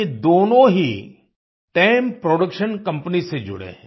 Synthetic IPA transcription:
ed̪oːnõɦi | ʈeːmpɾoːɖəkʃənkɐ̃mpnised͡ʒʊ̰ɽḛɦɛ̃

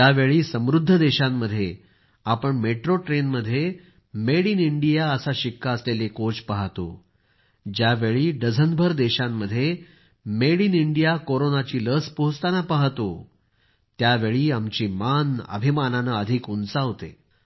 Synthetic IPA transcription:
aʋeɭiːsəmɾud̪ʱːəd̪eɕamːəd̪ʱːje | apəɳmeʈɾoʈɾenməd̪ʱːje | meɽiːniɳɖijaəsaɕikːaəslelekot͡spaɦt̪o̰ | d͡ʑjaʋeɭiːɖəd͡zʱənbʱəɾd̪eɕamːəd̪ʱːje | meɽiːniɳɖijakoɾonat͡ɕiːləspoɦst̪anapaɦt̪o | t̪jaʋeɭiːamt͡ɕiːmanə̰bʱimananəəd̪ʱikunt͡saɦot̪ḛ

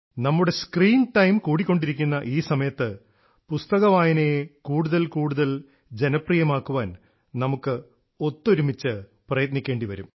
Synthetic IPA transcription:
nɐmːuɽe̞skriːnʈɐjmkuːɽikʲːoɳɖiɾikʲːunːɐʔiːsɐmɐjɐt̪ːɨ | pust̪ɐɣɐʋaːjɐnekuːɽuðɐlkuːɽuðɐl | d͡ʑe̞nɐprijɐmaːkːuʋaːn | nɐmukːɨ | o̞t̪ːoɾumit͡ɕːɨ | prɐjɐt̪nikʲːeːɳɖiʋɐɾum

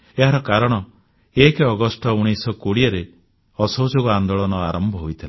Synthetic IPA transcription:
eɦaɾɔkaɾɔɽ̃ɔ | ekɔɡɔsʈɔuɽ̃isɔkoɽiɔɾe | ɔsɔwd͡ʒoɡɔand̪oɭɔnɔaɾɔmbʱɔɦojt̪ʰile

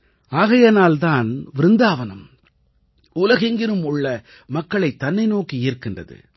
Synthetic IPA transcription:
aːɣɐjɐnaːlt̪aːnʋɪɾɯnd̪aːʋɐnɐm | ʊlɐɣɐŋɡɪnɯmʊɭːɐ | mɐkːɐɭɐɪt̪ːɐnːɐɪnoːkiɪːɾkɪndrɐ̰ðɯ̰

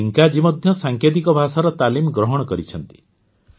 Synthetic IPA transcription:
iŋkad͡ʒimɔd̪ʱjɔsaŋkʰjet̪̬ikɔbʱasaɾɔt̪alimɡɾɔɦɔɽɔkɔɾit͡ʃʰɔnt̪i̥

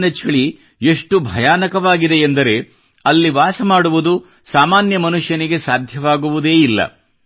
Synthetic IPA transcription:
nɐt͡ʃʰɐɭi | eʂʈubʱɐjaːnɐkɐʋaːɡid̪e̞ːnd̪ɐɾe̞ | ɐlːiʋaːsɐmaːɽuʋud̪u | saːmaːnjɐmɐnuʂjɐniɡe̞saːd̪ʱjɐʋaːɡuʋud̪e̞ːilːɐ̰

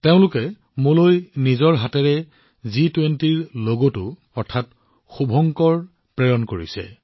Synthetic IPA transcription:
teʊ̃lʊkɛ | molojnizɔɹɦatɛɹɛ | zitwentiɹloɡotʊ | ɔɹtʰat | xubʱɔŋkɔɹ | pɹɛɹɔnkoɹḭsɛ̰

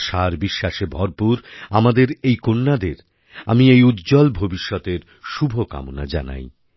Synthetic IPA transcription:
ʃaɾbiʃːaʃebʱɔɾpuɾamad̪eɾejkonːad̪eɾ | amiejud̪d͡ʑɔlbʱobiʃːɔt̪eɾ | ʃubʱoka̰mona̰d͡ʑa̰na̰j

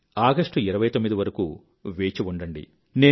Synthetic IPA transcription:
aːɡɐʂʈuiɾɐʋɐjt̪omːid̪iʋɐɾɐkṵː | ʋeːt͡ʃiʋuɳɖɐɳɖḭ | ne̞ː

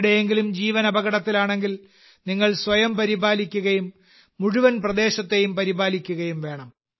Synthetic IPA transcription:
ɽejeŋɡilumd͡ʑiːʋɐnɐbɐɣɐɽɐt̪ːilaːɳe̞ŋɡil | niŋːɐɭsʋɐjɐmpɐɾibʱaːlikʲːuɣɐjumː | uɻuʋɐnprɐd̪e̞ːɕɐt̪ːe̞jumpɐɾibʱaːlikʲːuɣɐjumʋe̞ːɳɐm

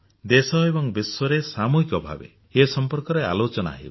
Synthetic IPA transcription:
d̪esɔebɔŋbiswɔɾesamuɦikɔbʱa̰bḛ | esɔmpɔɾkɔɾea̰lot͡ʃɔna̰ɦḭ

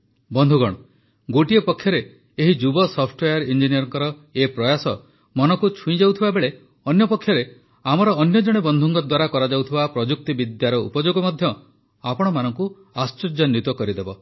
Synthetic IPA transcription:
bɔnd̪ʱuɡɔɽ̃ɔ | ɡoʈiepɔkʰːjɔɾeː | ɦid͡ʒubɔsɔpʰʈwejaɾind͡ʒinijɔɾɔŋkɔɾɔepɾɔjasɔ | mɔnɔkut͡ʃʰũĩd͡ʒawt̪ʰibabeɭe | ɔnjɔpɔkʰjɔɾe | amɔɾɔːnjɔd͡ʒɔɽ̃ebɔnd̪ʱuŋkɔd̪waɾakɔɾad͡ʒawt̪ʰibapɾɔd͡ʒuk̚t̪ibid̪jaɾɔṵpɔd͡ʒoɡɔmɔd̪ʱjɔ | apɔɽ̃ɔmanɔŋku | ast͡ʃɔd͡ʒɔnjut̪ɔkɔɾid̪ebɔ

